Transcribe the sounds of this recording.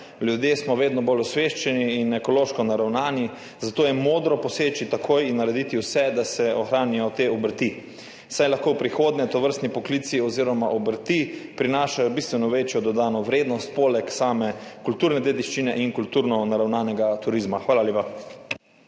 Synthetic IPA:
ljud̪jesmɔʋeːd̪nɔbolɔsʋeːʃt͡ʃɛniːnɛkɔloːʃkɔnaɾawnaːni | zat̪oːjɛmoːd̪ɾɔpɔseːt͡ʃit̪akʰoːjinːaɾɛd̪it̪iwsɛd̪asɛɔxɾaːnijɔt̪eːɔbəɾt̪i | sajlaxkowpɾixoːd̪nʲɛt̪ɔʋəɾst̪nipɔkliːt̪siɔziːɾɔmaʔɔbəɾt̪ipɾinaːʃajɔbist̪ʋɛnɔʋeːt͡ʃjɔd̪ɔd̪aːnɔʋɾeːd̪nɔst̪̚poːlɛksaːmɛkult̪uːɾnɛd̪eːd̪iʃt͡ʃinɛʔiŋkult̪uːɾnɔnaɾawnaːnɛɡat̪uɾizmaxʋaːlaljeːpa

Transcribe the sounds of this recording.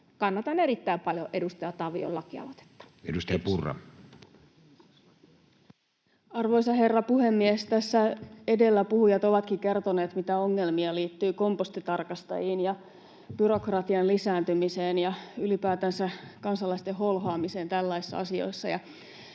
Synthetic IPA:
kɑnːɑt̪ɑneɾit̪ːæimpɑljoʔedust̪ɑjɑt̪ɑʋḭo̰lːɑkiɑ̰ʋot̪e̥t̪ːɑ̥edust̪ɑjɑpurːɑ̰ | ɑrʋo̞jsɑɦe̞rːɑpuhe̞mːiest̪æsːæe̞de̞lːæpuhujɑt̪o̞ʋɑt̪kike̞rt̪o̞neːt̪mit̪æo̞ŋːe̞lmiɑliːt̪ːyːko̞mpost̪it̪ɑrkɑst̪ɑ̰jiːnjɑ | b̥yɾo̞krɑt̪iɑnlisæːnt̪ymiseːnjɑylipæːt̪ænsækɑnsɑlɑist̪eɦo̞lɦoɑːmise̞ːnt̪ælːæisːɑ̰ɑ̰sio̞̰jsːɑjɑ

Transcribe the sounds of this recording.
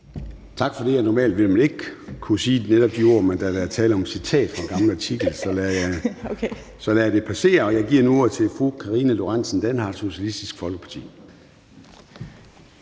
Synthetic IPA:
t͡sʰɑ̈ɡ̥fɒ̽d̥e̝jæɐnɒmɛ̰ːld̥ʋe̝lmæne̝ɡ̥ə̥kʰusiːd̥neɾɒ̽b̥̚d̥io̝ɐ̰mend̥ædæɐt͡sʰɛːləɒ̽msit͡sʰɛ̰ːd̥fɒ̽ɡ̥ɑ̈mləɑ̈t͡sʰiɡ̥l̩sɒ̽lj | sɒ̽læd̥e̝pʰæse̝̰ːɐɒ̽jɑ̈ɪɡ̥iɐ̰nuo̝t͡sʰe̝fʁo̰kʰɑ̈ʁiːnəlo̝ʁansn̩d̥ænhɑ̥̈so̝ɕiælisd̥isɡ̥fɒ̽lɡə̥pʰɑ̥̈t͡sʰḭː

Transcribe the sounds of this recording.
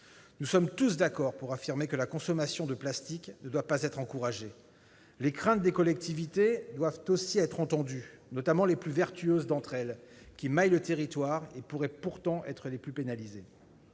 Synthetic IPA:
nusɔmt̪usd̪akɔʁpuʁafiʁmekəlakɔ̃sɔmasjɔ̃d̪əplast̪iknəd̪wapazɛt̪χɑ̃kuʁaʒe | lekχɛ̃t̪̚d̪ekɔlɛk̚t̪ivit̪ed̪wavt̪osiɛt̪χɑ̃t̪ɑ̃d̪ynɔt̪amɑ̃leplyvɛʁt̪yøzd̪ɑ̃t̪χɛl | kʲimajlət̪eʁit̪waʁepuʁɛpuʁt̪ɑ̃ʔɛ̰t̪χəleplypenalize

